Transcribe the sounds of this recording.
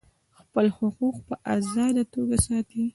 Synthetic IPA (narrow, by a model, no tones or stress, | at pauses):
xpəlhʊquqpəʔazɑd̪at̪oɡasɑt̪i